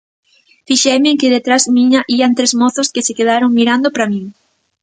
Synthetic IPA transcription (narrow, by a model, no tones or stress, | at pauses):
fiʃɛmɪŋkɪðet̪ɾazmiɲɐʔiant̪ɾezmɔθʊskɪsɪkeðaɾoŋmiɾand̪opɾamĩŋ